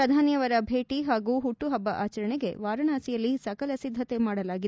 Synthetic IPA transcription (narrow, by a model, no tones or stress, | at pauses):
ɾɐd̪ʱaːnjɐʋɐɾɐbʱe̞ːʈiɦaːɡuːɦuʈːuɦɐbːɐʔaːt͡ʃɐɾɐɳeɡe̞̰ʋaːɾɐɳaːsijɐlːisɐkɐlɐsid̪ʱːɐt̪e̞maːɽɐlaːɡid̪